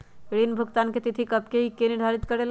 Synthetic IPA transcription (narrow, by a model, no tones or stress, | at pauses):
ɽinbʱuɡt̪anket̪it̪ʰikəb̚keɦikeniɾd̪ʱaɾit̪kəɾel